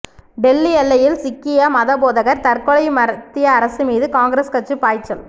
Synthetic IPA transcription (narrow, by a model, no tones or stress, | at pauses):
ɖɛlːiɛlːɐjɪlsɪkːɪjɐmɐðɐboːðɐɣɐɾt̪ɐrkɔɭɐɪmɐɾɐt̪ːɪjɐːɾɐsɯmiːðɯkaːŋɡɾɐskɐʈt͡ʃːɯpːaːjt͡ʃːɐl